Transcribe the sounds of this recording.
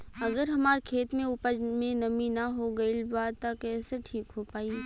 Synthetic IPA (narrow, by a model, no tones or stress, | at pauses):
ɐɡəɾɦɐmaːɾkʰeːt̪mẽʊpəd͡ʒmẽnɐminaɦoɡɐilbaːd̪t̪akɛːseʈʰiːkɦopaːi